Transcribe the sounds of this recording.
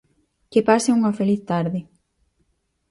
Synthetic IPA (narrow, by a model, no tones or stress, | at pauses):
kɪpasɪuŋɐfeliθt̪aɾðɪ